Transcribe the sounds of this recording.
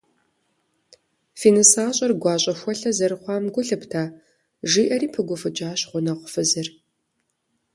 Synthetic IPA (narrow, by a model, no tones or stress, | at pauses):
fiːnɨsaːɕʼɐrɡʷɑːɕʷʼɐxʷɔɬɐzɐɾɨχʷɑːmɡʷʊɬɨptʰaː | ʒiːʔɐriːpʰɨɡʷʊfɨd͡ʒʼaːɕʁʷʊnɐʁʷʊfɨzɨr